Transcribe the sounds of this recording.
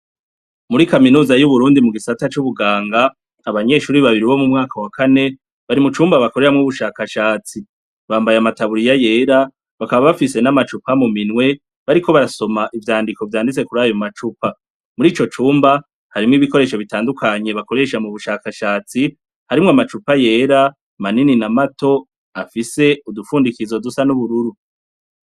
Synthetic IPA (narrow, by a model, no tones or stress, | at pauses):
muɾikaminuːzajuβuɾuːndimuɡisatat͡ʃuβuɡaːŋɡaː | βaɲe̞ʃuːɾiβaβiɾiβo̞mumŋaːkawakʰane | βaɾimut͡ʃuːmbaβako̞ɾe̞ɾamŋuβuʃaːkaʃaːt͡si | βaːmbajamataβuɾijaje̞ːɾa | βakaβaβafise̞namat͡ʃupamuminŋwe̞ | βaɾikʰo̞βaɾaso̞maʔivjaːndiko̞vjaːndit͡se̞kuɾaːjomat͡ʃupa | muɾiːt͡ʃo̞t͡ʃuːmba | haɾimŋiːβiko̞ɾe̞ːʃo̞βitaːndukʰaɲe̞βako̞ɾe̞ʃamuβuʃaːkaʃaːt͡si | haɾimŋamat͡ʃupaje̞ːɾa | manininamato̞ | afise̞udufuːndikizo̞dusanuβuɾuɾu